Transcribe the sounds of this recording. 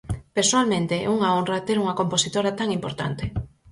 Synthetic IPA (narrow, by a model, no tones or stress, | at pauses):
peɾsoalmẽnt̪eʔuŋaonrɐt̪eɾuŋɐkomposit̪oɾat̪aŋimpoɾt̪a̰nt̪e